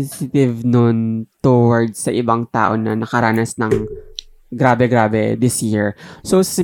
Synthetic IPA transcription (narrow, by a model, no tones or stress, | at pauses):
sɪt̪ɪvnont̪owɐɹd̪sɐʔɪbaŋt̪a̰ːʔo̞nɐ̰nɐkɐɾaːnɐsnɐŋ | ɡɾaːbɛɡɾaːbɛ̰d̪ɪsjɪɹsosɪ